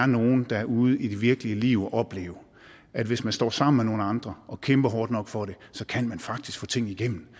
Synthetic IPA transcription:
ɐno̝ːn̩d̥ɑ̈æɐʔuð̞̩ˠid̥e̝ʋiɐɡ̥əliəliʊɒʔɒ̽b̥le̝̰ːʊɐ | ʔæd̥ʋe̝smænsd̥ɒ̰ːsɑ̈m̰n̩meno̝ːn̩ɑ̈nd̥ʁɐʔɒ̽kʰemb̥ɐɦɒːd̥nɒ̽ɡ̥fɒ̽ɾe̝sɒ̽kʰænmænfɑ̈ɡ̥̚d̥isɡ̥fɔ̰̽ːt͡sʰe̝ŋ̰̩iɡ̥em̰n̩

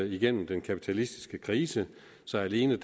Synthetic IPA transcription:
iɡ̥en̰m̩d̥enkʰæpʰi̥t͡sʰælisd̥isɡ̥əkʰʁiːsə | sɒ̽æle̝ːnəd̥

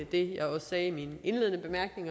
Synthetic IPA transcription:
d̥e̝jɑ̈ɪɒ̽ssɛːmine̝nle̝ðˠnəb̥e̝mæɐɡ̥ne̝ŋ

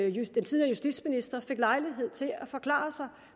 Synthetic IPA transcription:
d̥ent͡sʰiːðˠiɐəjusd̥ḭ̥sminisd̥ɐfe̝ɡ̥lɑ̈ɪliɦe̝ð̞̰ˠt͡sʰe̝læfɒ̽kʰlɑ̰̈ːsɑ̈ɪ

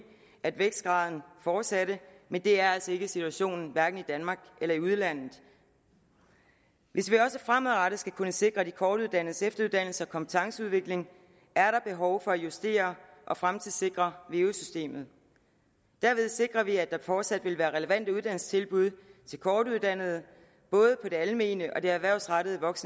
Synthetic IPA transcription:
æd̥ʋeɡ̥sɡ̥ʁɑ̈ːð̞ˠn̩fɒːd̥sæɾəmend̥e̝æɐælsɒ̽e̝ɡ̥əsit͡sʰuæɕo̝̰ːnn̩ʋæɐɡ̥n̩id̥ænmɑ̈ːɡ̥elɐiuð̞ˠlæn̰ð̩ˠ | ʋʔe̝sʋiɒ̽səfʁamðˠʁɑɾəsɡ̥ækʰunəse̝ɡ̥ʁɐd̥ikʰɒːɾ̥uð̞ˠd̥æn̰ð̩sefd̥ɐuðˠd̥æn̰l̩səɒ̽kʰɒ̽mpʰə̥t͡sʰɑ̈ŋsəuðˠʋe̝ɡ̥le̝ŋ | ʔæɐɾɑ̈b̥e̝ɦɒʊfɒ̽æjusd̥e̝̰ːɐʔɒ̽fʁamt͡sʰiðˠse̝ɡ̥ʁɐʋe̝ːusysd̥e̝̰ːmð̞̩ˠ | d̥æɐʋe̝ð̞ˠse̝ɡ̥ʁɐʋiæd̥ɑ̈fɒːd̥sæd̥ʋe̝lʋæːɐʁɛləʋæn̰d̥əuð̥ˠæn̰l̩st͡sʰe̝lb̥uð̞ˠt͡sʰe̝lkʰɒːd̥uð̞ˠd̥æn̰ð̞̩ˠə | b̥ɔ̽ːð̞ˠəpʰɒ̽d̥e̝ælme̝̰ːnəʔɒ̽d̥e̝æʋæɐ̰ʊsʁɑɾəðˠʋɒ̽ɡ̥snə

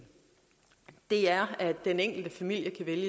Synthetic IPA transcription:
d̥e̝æɐæ̥d̥eneŋ̰ɡ̥l̩d̥əfæmil̰jəkʰæʋeljə

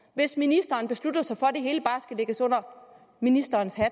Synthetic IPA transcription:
ʋe̝sminisd̥ɐːnb̥e̝slud̥ɐsɑ̈ɪfɒd̥e̝ɦe̝ːləb̥ɑ̈ːsɡ̥æle̝ɡ̥əsɔ̽n̰ɐ | minisd̥ɐːnshæ

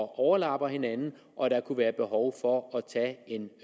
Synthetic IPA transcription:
ɒʔɒʊɐlɑ̈b̥ɐhe̝nænn̩ | ʔɒ̽ɾ̥ɑ̈kʰuʋæːɐb̥e̝ɦɒʊfɒ̽ɒt͡sʰɛ̰ːe̝n

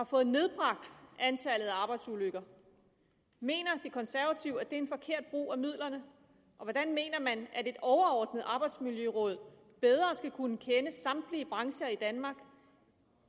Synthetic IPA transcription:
hɑ̈fɔ̽ːð̩ˠne̝ð̞ˠb̥ʁɑ̈ɡ̥̚d̥ʔænt͡sʰæləð̞̩ˠæɑ̈ːb̥ɑ̈ɪd̥suløɡ̥ɐ | me̝̰ːnɐd̥e̝kʰɒ̽nsæɐʋæt͡sʰiʊæd̥e̝ɐenfɒ̽kʰe̝ɐ̰d̥̚b̥ʁṵːæmið̰ˠlɐnə | ʔɒ̽ʋɒd̥ænme̝̰ːnɐmænʔæɾe̝d̥ɒʊɐɒːd̥nəð̩ˠɑ̈ːb̥ɑ̈ɪd̥smiljøʁɔ̽ːð̞̰ˠ | b̥eð̞ˠʁɐsɡ̥ækʰunəkʰenəsɑ̈md̥liəb̥ʁɑ̈ŋɕɐid̥ænmɑ̈ːɡ̥

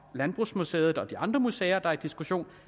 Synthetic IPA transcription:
lænb̥ʁusmusḛːð̩ˠɒ̽d̥iɑ̈nd̥ʁɐmuseːɐd̥ɑ̈æid̥isɡ̥uɕo̝̰ːn

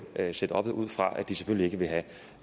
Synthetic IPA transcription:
sed̥əɒ̽b̥ð̩ˠuð̞̰ˠfʁɑ̈ʔæ̰d̥ise̥føl̰lie̝ɡ̥əʋe̝ɦæ

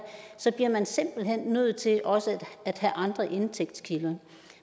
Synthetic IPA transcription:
sɒ̽b̥liɐmænse̝m̰b̥l̩ɦen̰ːøð̰̩ˠt͡sʰe̝ʔɒ̽səæd̥hæʔɑ̈nd̥ʁɐʔe̝nt͡sʰeɡ̥̚d̥skʰilɐ

